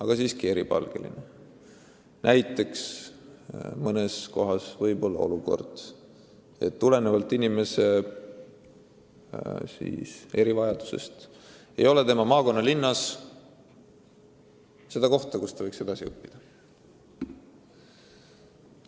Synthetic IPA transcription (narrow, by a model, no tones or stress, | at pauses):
ɑɡ̥ɑsiːskie̞ɾipɑ̰lɡ̥e̞̰lḭne | nʔæjt̪ːˑe̞ks | mɤne̞sko̞ɦɑsvɤjbo̞lːɑ̰o̞̰luko̞̰rd̪̥ | et̪ːule̞nevɑlt̪ˑːinime̞se̞ | sḭːse̞ɾivɑjɑd̪̥u̥se̞̰st̪ | ejo̞le̞t̪e̞mɑmɑːko̞nːɑlinːɑs | se̞d̪ɑko̞ht̪ɑkust̪ɑvɤjkse̞d̪ɑsiɤpːid̪̥ɑ